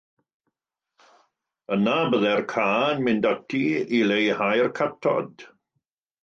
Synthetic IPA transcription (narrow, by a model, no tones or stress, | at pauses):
ənabəðɛrkʰaːnmɪndatʰiilejhajrkʰatʰɔ̰d̥